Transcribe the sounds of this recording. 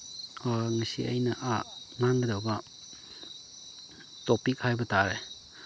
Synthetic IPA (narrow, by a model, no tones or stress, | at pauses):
aŋasḭɐ̰jnɐʔaŋaŋɡɐdawbɐ | topikhajbɐtaɾe